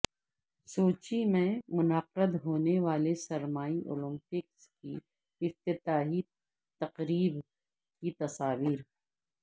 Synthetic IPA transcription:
soːt͡ʃimẽmʊnəqəd̪ɦoːneʋaːlesɐɾmaːiʔo̰ːlə̃mpɪkski | ɪft̪ɪt̪aːɦi | t̪ɐqɾiːb | kit̪ɐsaːʋiːɾ

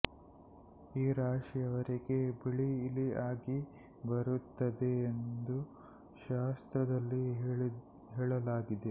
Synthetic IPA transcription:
iːɾaːʂijɐʋɐɾiɡe̞biɭiːliaːɡi | bɐɾut̪ːɐd̪eːnd̪u | ʃaːst̪ɾɐd̪ɐlːi | ɦɛːɭɐlaːɡid̪e̞

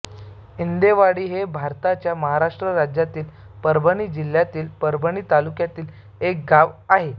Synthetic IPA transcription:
ind̪eʋaɽiːɦebʱaɾt̪at͡ɕjaməɦaɾaʂʈɾəɾad͡ʑjat̪iːl | pəɾbʱəɽ̃iːd͡ʑil̤jat̪iːlpəɾbʱəɳ̃iːt̪alukjat̪iːl | ek̚ɡaʋaɦe

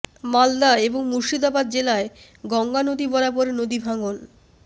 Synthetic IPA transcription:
mald̪aeboŋmuɾʃid̪abad̪̚d͡ʑelae | ɡɔŋɡanod̪ibɔɾapoɾenod̪ibʱaŋol

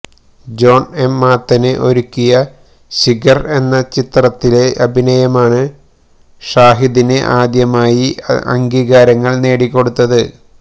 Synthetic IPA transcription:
d͡ʑo̞ːne̞mːaːt̪ːɐnɨʔo̞ɾukʲːijɐ | ɕiɡɐre̞nːɐt͡ɕit̪rɐt̪ːile̞ʔɐbʱinɐjɐmaːɳɨ | ʂaːɦiðinɨʔaːd̪jɐmaːjiɐ̰ŋɡiːɣaːɾɐŋːɐɭne̞ːɽikʲːo̞ɽut̪ːɐðɨ

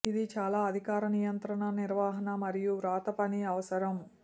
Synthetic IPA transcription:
id̪it͡ʃaːlaːɐd̪ʱikaːɾɐnijɐnt̪ɾɐɳɐniɾʋaːɦɐnɐmɐɾijuɾaːt̪ɐpɐniɐʋɐsɐɾɐm

